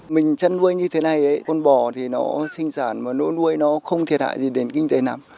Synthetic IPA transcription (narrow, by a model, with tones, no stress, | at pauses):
mï˨˩ŋ̟t͡ɕə˧nvu˧jɲɨ˧t̪ʰe˨˦na˨˩jʔə˨˦jkɔ˧˩nɓɔ˧˩t̪ʰi˨˩nɔ˨˦sï˧ŋ̟saː˧˩nmaː˨˩no̰˧˥˦nu˧əjnɔ˨˦xə˧wŋ͡mt̪ʰi˨˩ət̚ha̰ː˧˨jzi˨˩ɗe˨˦nkï˧ŋ̟t̪e˨˦naː˨˩m